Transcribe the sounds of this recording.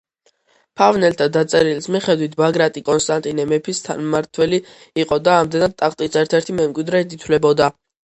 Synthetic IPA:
pʰavnɛlt̪ʰad̪at̪sʼɛɾilsmiχɛd̪wit̪ʰbaɡɾat̪ʼikʼɔnst̪ʼant̪ʼinɛmɛpʰist̪ʰa̰nmaɾt̪ʰwɛliː | qʼɔd̪aːmd̪ɛnad̪̚t̪ʼakt̪ʼisɛɾt̪ʰɛɾt̪ʰimɛmkʼwid̪ɾɛt̪ʰit̪ʰlɛbɔd̪a

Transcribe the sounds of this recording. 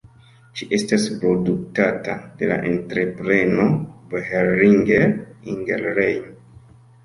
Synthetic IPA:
ʃiʔe̞staspɾo̞duk̚tatade̞la̰ʔe̞ntɾe̞pɾe̞no̞beheɾːiŋɡeɾiŋɡḛlɾejm

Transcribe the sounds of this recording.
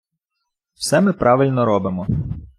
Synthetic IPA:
w̥sɛmɪpɾʔɑʋɪlʲnɔɾɔbɪmɔ

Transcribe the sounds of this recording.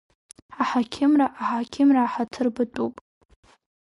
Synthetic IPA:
aħakʲʰɪmraʔaħakʲʰɪmraːħatʰɨrbɨtʼupʼ

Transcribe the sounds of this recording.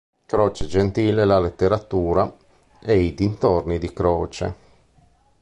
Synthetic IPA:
kɾɔːt͡ʃed͡ʒent̪iːlelalet̪ːeɾat̪uːɾa | eid̪int̪ornid̪ikɾɔːt͡ʃḛ

